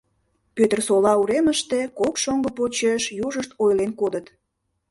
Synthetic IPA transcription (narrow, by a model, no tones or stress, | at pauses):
pøt̪ərsolɑuɾeməʃt̪ekokʃoŋɡəpot͡ɕeʃjuʒəʃt̪ojlenkod̪ət̪